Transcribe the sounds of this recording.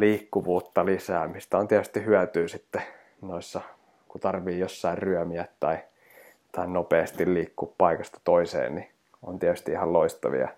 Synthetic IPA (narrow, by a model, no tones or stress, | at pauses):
liːkːuʋuːt̪ːɑlisæːmist̪æont̪iɛt̪yst̪ihyæt̪yːsit̪ːe | noisːɑ | kut̪ɑrʋiːjosːɑirryœmiæt̪t̪ɑi | t̪ɑinopeːst̪illiːkːuːppɑikɑst̪ɑ̥t̪oisḛːnni | o̰nt̪iɛæt̪yst̪iihɑlloist̪ɑ̰ʋḭɑ̰